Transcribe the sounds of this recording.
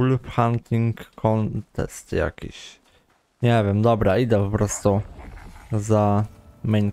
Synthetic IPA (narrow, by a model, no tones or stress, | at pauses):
lupxant̪iŋkʰːɔnt̪ɛ̰st̪ja̰kʲḭɕ | ɲɛvʲjɛmd̪ɔbɾaid̪ɛpɔpɾɔst̪u | zamɛjn